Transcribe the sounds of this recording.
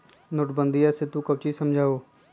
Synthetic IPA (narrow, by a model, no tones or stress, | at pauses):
nʊʈbənd̪iːaːset̪ːũːkəʋt͡ʃiːsəmd͡ʒʱaːoː